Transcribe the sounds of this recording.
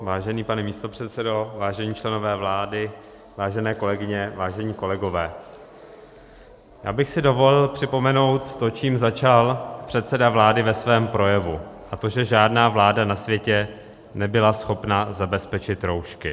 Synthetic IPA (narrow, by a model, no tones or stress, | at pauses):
vaːʒɛniːpanɛmiːst̪o̞pr̝̥ɛt̪sɛdo̞vaːʒɛɲiːt͡ʃlɛno̞vɛːvlaːdɪ | vaːʒɛnɛːko̞lɛɡɪɲɛvaːʒɛɲiːko̞lɛɡo̞vɛː | ja̰ːbɪxsɪdo̞vo̞lɪlpr̥ɪpo̞mɛno̞wt̪ːo̞t͡ʃiːmzat͡ʃalpr̝̥ɛt̪sɛdavlaːdɪvɛsvɛːmpɾo̞jɛvuʔat̪o̞ʒɛʒaːdnaːvlaːdanasvjɛcɛ | nɛbɪlasxo̞pnazabɛspɛt͡ʃɪt̪ɾo̞wʃkɪ